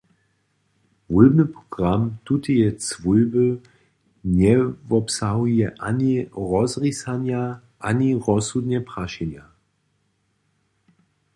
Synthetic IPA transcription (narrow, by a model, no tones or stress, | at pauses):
vulbnɨpʁ̥ɔɡ̥ʁamtut̪əjɛt͡svulbə | nɛvɔpsaɦujɛʔaniʁɔzʁisanja | ʔaniʁɔshud̪nɛpʁaʃɛnja